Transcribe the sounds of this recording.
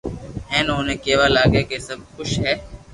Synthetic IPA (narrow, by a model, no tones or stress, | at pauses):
ɦɛ̃ːnõːnẽːkeːʋaːlaːɡeːkeːsəb̚kʊʃɦɛː